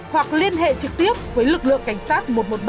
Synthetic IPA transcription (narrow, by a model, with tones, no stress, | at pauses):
hwa˨˩k̚li˧ənɦḛ˧˨t͡ɕɨ˨˩k̚t̪i˦˥əp̚vəː˨˦jlɨ˨˩k̚lɨ̰˧˨əŋka˧˩jŋ̟saː˦˥t̚mo˨˩t̚mo˨˩t̚ɓ